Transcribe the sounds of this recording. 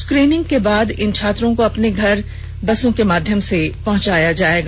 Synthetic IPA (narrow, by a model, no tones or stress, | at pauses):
skɾiːnɪ̃ŋɡkebaːd̪ɪnt͡ʃʰaːt̪ɾõkoɐpneɡʱɐɾ | bɐsõkemaːd̪ʱjəmsepɐɦʊ̃t͡ʃaːjad͡ʒaːeːɡaː